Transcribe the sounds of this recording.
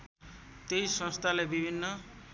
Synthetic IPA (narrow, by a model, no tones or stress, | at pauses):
t̪ejsʌ̃st̪ʰalebibʱinːʌ